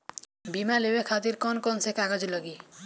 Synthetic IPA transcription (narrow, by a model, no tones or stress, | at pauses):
bimalebekʰat̪iɾkɔnkɔnsekaɡad͡ʒilɔɡi